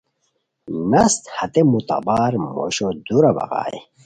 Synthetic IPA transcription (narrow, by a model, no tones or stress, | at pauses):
nɐst̪hɐt̪emut̪ɐ̰baːɾmo̰ɕod̪uɾɐbɐ̰ɣa̰ːḛ